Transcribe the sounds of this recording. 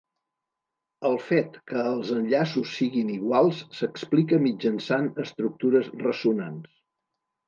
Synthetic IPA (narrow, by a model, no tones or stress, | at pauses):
əlˠfet̪kəːlˠzənʎasusːiɣiniɣwalˠsːəksplik̬əmid͡ʒənsanəst̪ɾuk̚t̪uɾəzrəsunans